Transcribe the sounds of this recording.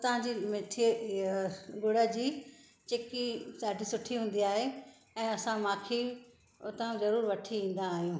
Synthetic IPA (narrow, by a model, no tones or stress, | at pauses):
t̪ɐʋ̤ãd͡ʑiːmeʈʰi | ɡoːɽad͡ʑiː | t͡ɕeːkisaːɖʱisʊʈʰiɦũːn̆d̪iaːɦe | ɛ̃ːɐsãmãːkʰi | t̪ɐũzɐɾuːɾʋɐʈʰiĩːn̆d̪aːɦijũː